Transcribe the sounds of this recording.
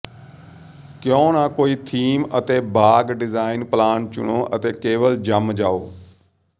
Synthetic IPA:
kjõːnãːkoːiːt̪ʰiːmət̪eːbaːɡɖɪzaːɪnplaːnt͡ʃʊ̰ɳoːʔət̪eːkeːʋəld͡ʒəmd͡ʒaːoː

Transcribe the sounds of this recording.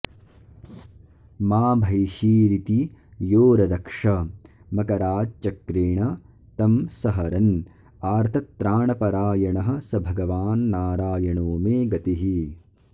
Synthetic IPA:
maːbʱɐjʃiːɾit̪ijoːɾɐɾɐkʂɐ | mɐkɐɾaːd͡ʒt͡ʃɐkɾeːɳɐ | t̪ɐmsɐɦɐɾɐn | aːɾt̪ʰɐt̪ːɾaːɳɐpɐɾaːjɐɳɐɦɐ̆sɐbʱɐɡɐʋaːnːaːɾaːjɐɳoːmeːɡɐt̪iɦi

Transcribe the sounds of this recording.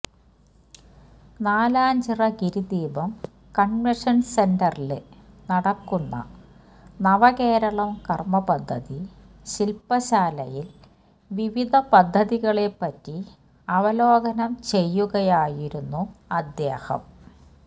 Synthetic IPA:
naːlaːɲd͡ʑirɐɡiɾud̪iːbɐm | kɐnʋeʂɐnse̞ndɐrilɨnɐɽɐkːuɳːɐ̰ | nɐʋɐɣe̞ːɾɐɭɐmkɐrmɐpɐd̪ʱːɐði | ɕilpɐɕaːlɐjil | ʋiʋid̪ʱɐpɐd̪ʱːɐðiɣɐɭepːɐtːi | ɐʋɐloːɡɐnɐmt͡ɕe̞jːuɣɐjaːjiɾunːuɐd̪jeːhɐ̰m

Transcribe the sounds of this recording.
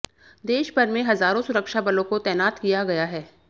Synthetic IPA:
d̪eːʃpɐɾmẽɦɐzaːɾõsʊɾəkʃabɐlõkot̪ɛːnaːt̪kijaɡɐjaɦɛː

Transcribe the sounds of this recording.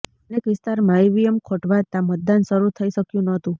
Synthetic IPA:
ənekʋɪst̪aɾmãeʋijəmkʰoʈʋat̪ãmət̪̚d̪anʃəɾut̪ʰəiʃəkjũnət̪ũ

